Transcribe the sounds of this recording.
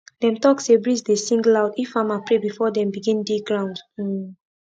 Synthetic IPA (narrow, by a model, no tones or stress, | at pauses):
d̥ɛ̃mtɔksebɹisdesĩŋɡlaʊdifãmapɹebifɔdɛ̃mbiɡĩndiɡɹãw̃nd̩